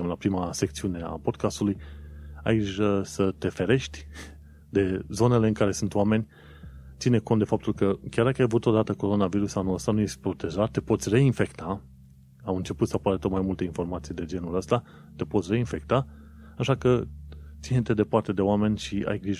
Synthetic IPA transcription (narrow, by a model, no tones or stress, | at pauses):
əmlapɾimase̞k̚t̪siune̞a̰po̞d̪kast̪ulujajɡiʒəsət̪e̞fe̞ɾe̞ʃt̪ʲ | d̪e̞zo̞ne̞le̞ɨŋkaɾe̞sunt̪owame̞nʲ | t̪sineko̞nt̪d̪efap̚t̪ulkəkʲard̪akəajavut̪o̞d̪at̪əko̞ɾo̞naviɾusanuəst̪anuje̞ʃt̪̚ʲpɾo̞t̪e̞ʒat̪ːe̞po̞t̪sʲre̞infe̞kt̪a | awɨnt͡ʃe̞put̪səapaɾət̪ot̪̚majmult̪einfo̞rmat̪sijd̪e̞d͡ʒe̞nuləst̪a | t̪e̞po̞t̪sʲre̞infe̞k̚t̪a | aʃakət̪sinet̪e̞d̪e̞part̪e̞d̪e̞oame̞nʲʃia̰jɡɾiʒ